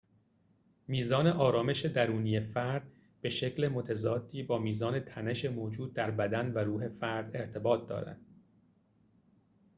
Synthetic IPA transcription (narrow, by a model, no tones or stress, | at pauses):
miːzɒːne̞ʔɒːɾɒːme̞ʃe̞d̪æɾuːniːjefæɾd̪̥ | b̥e̞ʃe̞cle̞mo̞t̪ʰæzɒːd̪̥ːiːbɒːmiːzɒːnet̪ʰæne̞ʃemoːd͡ʒuːd̪̚ːæɾbæd̪ænvæɾuːɦe̞fæɾd̪e̞ɾt̪ʰe̞bɒːt̪̚d̪ɒ̰ːɾæ̰nd̪̥